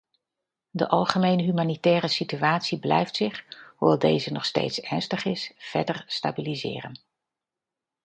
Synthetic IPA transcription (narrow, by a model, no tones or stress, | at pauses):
də̰ʔɑlˠχəmejnəɦymaːnitɛːrəsityaːtsiblɛ̰jftsɪχhuʋɛlˠdejzənɔχstḛjtsɛɹnstəχɪsv̥ɛɹdəɹsta̰ːbilizɪ̰ːrə̰n